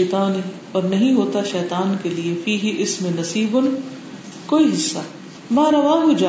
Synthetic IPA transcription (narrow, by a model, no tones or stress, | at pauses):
t̪aːnẽ | ɔːɾnɐɦĩɦoːt̪aʃɛːt̪aːnkeliefiːɦiʔɪsmẽnɐsiːbʊn | koːiɦɪsːa | maːɾɐʋaːɦʊd͡ʒaː